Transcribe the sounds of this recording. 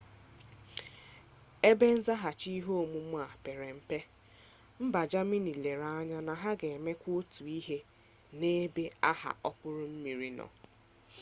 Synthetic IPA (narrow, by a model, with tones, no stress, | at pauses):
e˦be˦n̩˦za˦ɦa˨t͡ʃi˦ɦo˦o˨mu˦m˦a˨pe˨ɾe˨m̩˨pe˦ | m̩˦ba˨d͡ʒa˦mi˦ni˨le˨ɾa˨˦ɲa˦na˨ɦa˦ɡe˨me˦kʷʊ˦tu˨i˦ɦe˦ | ne˦be˦a˦ɦa̰˨ʔɔ˦pʊ˦ɾʊ˦m̩˦mi˨ɾi˨nɔ̰˨